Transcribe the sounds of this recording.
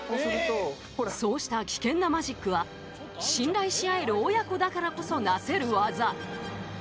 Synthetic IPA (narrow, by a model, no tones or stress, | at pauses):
sɯ | so̞ːɕi̥t̪akʲi̥kẽ̞nːamaʑikːɯ̟βa | ɕĩnɾaiɕiae̞ɾɯ̟ojako̞d̪akaɾako̞so̞nase̞ɾɯ̟βaza